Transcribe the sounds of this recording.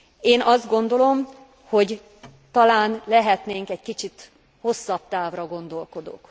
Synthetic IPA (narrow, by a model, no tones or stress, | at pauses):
eːnɒzd̪̚ɡo̞nd̪o̞lo̞m | ho̞ɟ | t̪ɒlaːnlɛɦɛt̪neːŋkɛɟkit͡ʃit̪ | ho̞sːɒp̚t̪aːvrɒɡo̞nd̪o̞lko̞d̪o̰ːk